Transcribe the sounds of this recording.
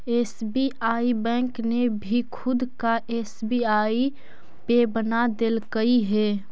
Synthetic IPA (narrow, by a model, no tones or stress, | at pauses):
eːsbiaːibɛ̃ːŋknebʱikʰʊd̪kaʔeːsbiaːi | pebənad̪elkəiɦɛː